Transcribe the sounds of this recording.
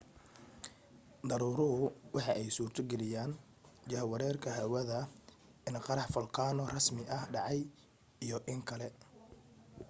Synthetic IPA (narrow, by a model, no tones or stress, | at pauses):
d̪ɐɾuːɾʊɦʊwɑħɑʔɛjsuːrt̪ʰɔɡɛlɪjaːn | t͡ʃɐɦɐwɐɾɛːrkʰɐɦɐwɐðɐ | ɪnqɑɾɑħfɐlqʰɑːnɔrɐsmɪʔɐhɖɑʕɑj | ijɔʔɪŋkʰɐlɛ